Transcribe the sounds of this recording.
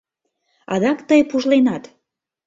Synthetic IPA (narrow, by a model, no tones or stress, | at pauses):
ɑ̰d̪ɑkt̪əjpuʒlenɑt̪